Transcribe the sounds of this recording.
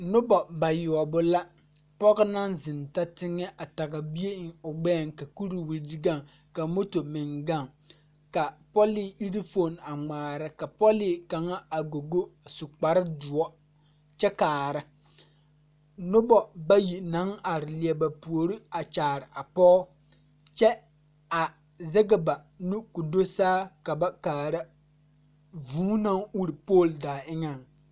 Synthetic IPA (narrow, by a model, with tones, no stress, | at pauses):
nʊ˦bɔ˨ba˨jʊ˨ɔ˨bʊ˦la˦ | pɔ˦ɣɪ˦na˦nzɪ˨nta˦tɪ˦ŋːɛ˦ʔa˨ta˨ɡa˨bi˦e˦˨ʊ˨ɡ͡bɛː˦˨ŋka˨ku˦ɾi˨wi˨ɾdi˦ɡa˦˨ŋ | ka˨mo˦to˨mɪ˨ŋɡa˦˨ŋ | ka˨pɔ˦lɪ˦i˦ɾi˦fo˨na˨ŋ͡maː˨ɾɪ˦ka˨pɔ˦lɪ˦˨ka˨ŋa˦a˨ɡo˨ɡo˦˨sʊ˨k͡pa˨ɾɪ˦dʊ˨ɔ˦ | t͡ʃɛ˦kaː˨ɾɨ˦ | nʊ˦bɔ˦ba˦ji˨na˨˦ŋa˨ɾɪ˨li˨ɛ˨ba˨pu˨o˨ɾi˦a˨t͡ʃaː˨ɾɪ˨ʔa˨pɔː˦ | t͡ʃɛ˦ | a˨ | zɛ˦ɡɪ˨ba˨ | nu˦ku˨do˦saː˦ka˨ba˦kaː˨ɾa˦ | vuː˦na˦ŋu˦ɾi˨poː˦˨ldaː˨ɪ˦ŋa˨ŋ